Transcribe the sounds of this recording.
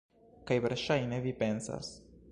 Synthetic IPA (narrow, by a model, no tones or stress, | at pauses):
kajveɾʃajne̞vipe̞nsa̰s